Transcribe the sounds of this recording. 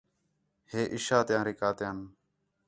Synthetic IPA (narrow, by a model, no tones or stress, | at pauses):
heːʔiʃaːt̪jãːɾiːkaːt̪jãːn